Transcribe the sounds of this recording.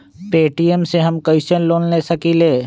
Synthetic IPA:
peːʈiemseɦɐmkɐɪʃənloːnlesɐkileː

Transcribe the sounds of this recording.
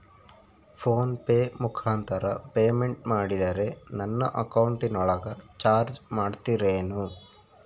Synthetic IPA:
pʰoːnpe̞ːmukʰaːnt̪ʰɐɾɐpeːme̞ɳʈmaːɽid̪ɐɾe̞nɐnːɐʔɐkɐwɳʈinɔɭɐɡɐt͡ʃaːɾd͡ʒmaːɖt̪iɾeːnu

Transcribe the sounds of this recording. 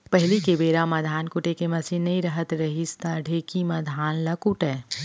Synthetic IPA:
pɐɦɪlikebeːɾamɐd̪ʱaːnkʊʈekemɐsinːɐĩɾɐɦət̪ɾɐɦist̪aɖʱeːkimɐd̪ʱaːnlakuʈɛː

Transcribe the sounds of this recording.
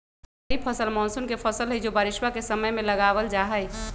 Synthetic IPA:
ipʰəsəlmɔnsunkepʰəsəlɦəjd͡ʒobaɾɪʃwakesəməjmeləɡabəld͡ʒaɦəj

